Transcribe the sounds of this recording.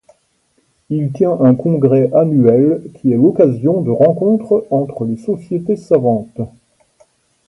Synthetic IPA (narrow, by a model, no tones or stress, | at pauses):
ilt̪jɛ̃ʔɛ̃kɔ̃ɡʁɛʔanyɛlkʲʰiɛlɔkazjɔ̃d̪əʁɑ̃kɔ̃t̪χɑ̃t̪χəlesɔsjet̪esavɑ̃t̪